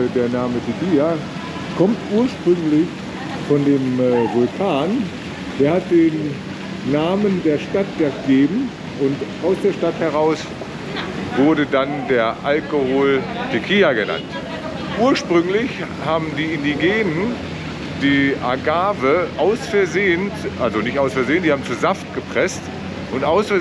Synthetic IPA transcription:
deːɐnaːmətʰɪkiːa | kʰɔmtʔuːɐʃpʁ̥ʏŋlɪç | fɔndeːmvʊlkʰaːn | d̥eːɐhat̚d̥eːnː | aːməndeːɐʃtat̚d̥ɛɐɡ̥eːbm̩ | ʊntaʊsd̥eːɐʃtathɛʁ̞aʊs | vʊɐɾədandeːɐʔalkohoːltʰɪkʰiːaɡəna̰nt | ʔuːɐʃpʁ̥ʏŋlɪçhaːbm̩diːɪndiɡeːnən | d̥iːʔa̰ɡaːvəʔaʊsfɛɐzeːəntʔalzonɪçtʔaʊsfɛɐzeːənd̥ihaːm̩t͡suːzaftɡ̥əpʁ̥ɛst | ʔʊntʔaʊsfɛɐ

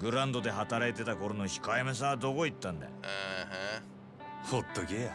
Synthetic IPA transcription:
ɡɯ̟ɾãnd̪o̞d̪e̞ɦat̪aɾait̪e̞t̪akoɾo̞noçi̥kajmes̬aːd̪o̞ko̞it̪ːãnd̪ḛ | hot̪ːoɡe

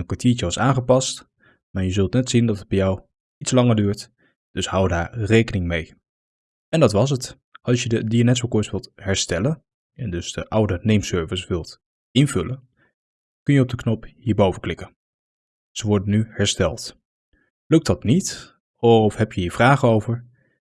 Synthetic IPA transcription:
ənkatiːɹt͡ʃəʋɑsaːnχəpɑst | maːɹjəzɵlˠtnɛtsindɑtəd̚bɛjɔw | itslɑŋəɹdyːɹt | d̥ɵshɑwdaːɹrejkənɪŋmej | ɛndɑtʋɑs̬ət | ɑlˠsʃjədədianɛtʋəkɔɹsʋɪlˠtɦɛɹstɛlən | ɛndɵzd̥əʔʌwdənejmsøɹvəsʋɪlˠt | ɪnvɵlən | kɵnjəɔb̚dəknɔphiːɹbowvəklɪkən | z̥əʋɔɹdənyhɛɹstɛlˠt | lɵk̚tdɑtnit | ɔfɦɛpjəɦiːɹvraːχənowvəɹ

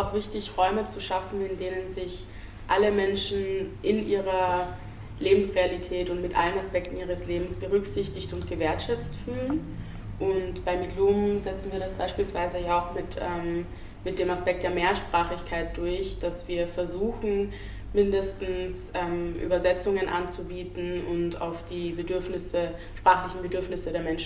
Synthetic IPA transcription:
aʊxv̥ɪçtɪçʁɔʏmət͡suʃafn̩ɪndeːnənzɪç | ʔaləmɛnʃn̩ʔɪnʔiːʁɐ | leːbm̩sʁealitʰɛːtʊntmɪtʔa̰lənaspɛk̚tn̩iːʁ̞əsleːbm̩sb̥əʁʏkz̥ɪçtɪçtʊntɡ̥əveːɐtʃɛt͡stfyːlən | ʔʊntb̥aɪmiɡluːmzɛt͡sn̩viːɐɾasb̥aɪʃpiːlsv̥aɪzəjaːaʊxmɪtʔɛːm | mɪt̚d̥eːmaspɛk̚td̥eːɐmeːɐʃpʁ̥aːχɪçkʰaɪt̚d̥ʊɐçd̥asv̥iːɐfɛɐzuːxn̩ | mɪndəstn̩sʔɛːmʔy̰ːbɐzɛt͡sʊŋənʔa̰nt͡subiːtn̩ʔʊnta̰ʊfd̥iːbədʏɐfnɪsə | ʃpʁ̥aːχlɪçn̩bədʏɐfnɪsədeːɐmɛnʃn

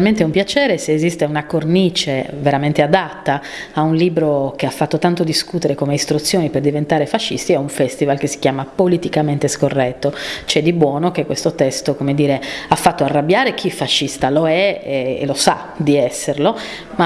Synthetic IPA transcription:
alment̪eɛumpjat͡ʃɛːɾeseːzist̪eunakornit͡ʃeveɾament̪ead̪at̪ːaː | unliːbɾok̟eafːat̪ːot̪ant̪od̪iskut̪eɾekomeist̪ɾut̪sːjoːniperd̪ivent̪aːɾefaʃːḭst̪iɛuɱfɛst̪ivalkesːi̥kjaːmapolit̪ikament̪eskorːɛt̪ːot͡ʃɛd̪ibwɔːnokekːwest̪ot̪ɛst̪okomed̪iːɾeafːat̪ːoarːabːjaːɾek̟ʰifaʃːist̪aloɛḛlosa̰ | d̪iɛsːerlo | ma

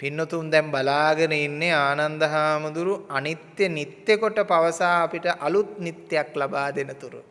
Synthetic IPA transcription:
pinːɐt̪umd̪ɐmbɐlaːɡɐnɐinːeaːnɐnd̪ɐɦaːmud̪uɾuɐnit̪jɐnit̪jɐkɔʈːɐpɐʋɐsaːpiʈɐʔɐlut̪̚nit̪jɐklɐbaːd̪enɐt̪uɾṵ

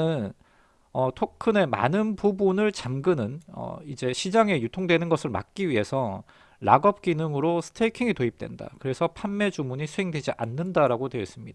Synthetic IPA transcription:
ɯn | ʌtʰokʰɯne̞ma̰nɯnpubunɯɭt͡ɕamɡɯnɯnʌ̰id͡ʑe̞ɕʰid͡ʑaŋe̞jutʰoŋdwe̞nɯnɡʌsʰɯɭma̰k̚k͈iɥiɦe̞sʰʌ | ɾa̰ɡʌp̚k͈inɯŋɯɾosʰɯ̥tʰeikʰiŋitoip̚t͈we̞̰nda̰kɯɾe̞sʰʌpʰanme̞d͡ʑumuɲisʰuɦe̞ŋdwe̞d͡ʑiʔanːɯndaɾaɡodweʌs͈ɯmɲid̥a

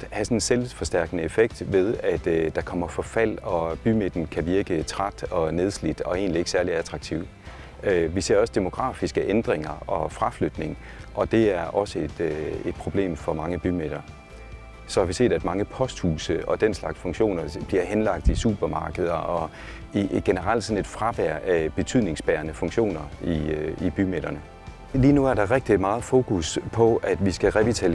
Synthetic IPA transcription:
hæsɒ̽nnselfɒ̽sd̥æɐ̰ɡ̥nəe̝feɡ̥d̥ʋe̝ð̞ˠæd̥d̥ɑ̈kʰɒ̽m̰ɐfɒ̽fæl̰ɒ̽b̥ymed̥n̩kʰæʋiɐɡ̥ət͡sʰʁad̥ɒ̽ne̝ð̞ˠslid̥ɒ̽e̝ːnlie̝ɡ̥əsæɐliæt͡sʰʁɑ̈ɡ̥̚t͡sʰiʊ | øʋise̝ɐɒ̽səd̥emo̝ɡ̥ʁɑ̰̈ːfisɡ̥əʔend̥ʁeŋɐɒ̽fʁɑ̈flød̥ne̝ŋ | ʔɒ̽d̥e̝æɐʔɒ̽səed̥e̝d̥̚pʰʁo̝b̥le̝̰ːmfɒ̽mɑ̈ŋəb̥ymed̥ɐ | sɒ̽hɑ̈ʋise̝̰ːd̥æd̥mɑ̈ŋəpʰɒ̽sd̥huːsəɒ̽d̥enslɑ̈ɡ̥sfɔ̽ŋɕo̝̰ːnɐb̥liɐhenlɑ̈ɡ̥̚d̥isṵːb̥ɐmɑ̈ːɡ̥əð̞ˠɐɒ̽ | iɡ̥enəʁɑl̰d̥sɒ̽ne̝d̥fʁɑ̈ʋ̥æɐ̰ʔb̥e̝t͡sʰyðˠne̝ŋsb̥æːɐnəfɔ̽ŋɕo̝̰ːnɐiib̥ymed̥ɐnə | liːnuæɐɾ̥ɑ̈ʁɛɡ̥d̥imɑ̈ːð̞̩ˠfo̝ːkʰuspʰɒ̽æd̥ʋisɡ̥æʁɛʋit͡sʰæ

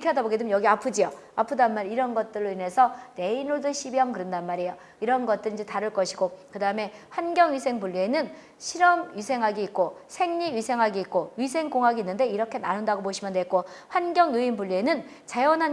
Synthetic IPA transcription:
kʰeadaboɡedɯmnjʌɡiapʰɯd͡ʑio | apʰɯdaɯnmaɾiɾʌnɡʌt̚t͈ɯɭːoine̞sʰʌne̞inuɭdɯɕʰibjʌŋkɯɾɯndanmaɾejo | iɾʌnɡʌt̚t͈ɯɾind͡ʑetaɾɯɭk͈ʌɕʰiɡokɯdaɯme̞ɸwanɡjʌŋɥisʰe̞ŋpuʎːie̞nɯn | ɕʰiɾʌmɥisʰe̞ŋɦaɡiit̚k͈osʰe̞ŋɲiɥisʰe̞ŋɦaɡeik̚k͈oɥis̬ʰe̞ŋkoŋɦaɡiinːɯnde̞iɾʌkʰe̞nanɯndaɡoboɕʰimjʌndwek͈o | ɸwanɡjʌŋjuinbuʎːienɯn | t͡ɕajʌnɦan

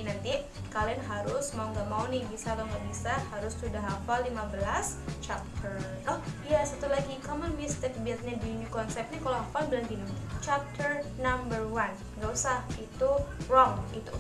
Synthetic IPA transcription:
nant̪i | kalianɦaɾʊsmauŋɡaʔmaunɪhbisat̪awŋɡaʔbisahaɾʊssudaɦafalːimabəlast͡ʃap̚t̪ʰərt̪ɔhjasat̪ulaɡikɔmənmist̪ɪk̚biat̪̚ɲadiɲukɔnsɛp̪̚ɲakaloɦafalbəlant̪inant͡ʃap̚t̪ərnambərwan | ɡausahit̪urɔŋit̪u

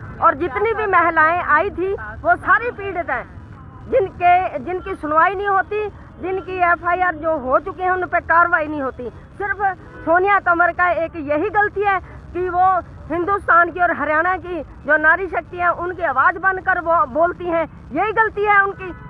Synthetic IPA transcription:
ɔːɾd͡ʒɪt̪nibʱimɛɦlaːẽʔaːit̪ʰiʋosaːɾipiːɖt̪ɦɛ̃ː | d͡ʒɪnked͡ʒɪnkisʊɽʋaːinəĩɦoːt̪i | d͡ʒɪnkieːpʰaːiaːɾd͡ʒoːɦot͡ʃʊkeɦɛ̃ʊnpekaːɾʋaːinɐɦĩɦoːt̪i | sɪɾpʰ | soːnɪjat̪ɐməɾkaeːkjɐɦiɡəlt̪iɦɛː | kiʋoɦɪ̃nd̪ust̪aːnkiɔːɾɦɐɾjaːɽ̃aki | d͡ʒoːnaːɾiʃ̬ək̚t̪iɦɛ̃ʔʊnkiaʋaːd͡ʒbə̃nd̪kəɾboːlt̪iɦɛ̃ | jɐɦiɡəlt̪iɦɛʊnki

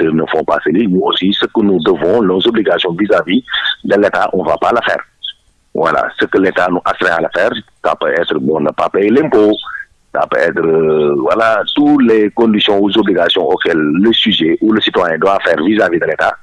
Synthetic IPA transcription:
sənəfɔ̃pa̰səlinuosisəkənudəvɔ̃lɔzobliɡasjɔ̃vizavid̪əletaʔɔ̃vapaləfɛ̰ːɾ | vwa̰la̰səkəletanuʔastɾɛ̃alafɛːɾsa̰pøɛt̪ɾəbɔ̃nəpapɛlɛ̃mpo | sa̰pø̰ɛt̪ɾəvwalatulekɔ̃nd̪isjɔ̃uzobliɡasjɔ̃ʔokɛlːəsyʒɛʔuləsit̪wajɛ̃dwafɛːɾvizavid̪əleta̰

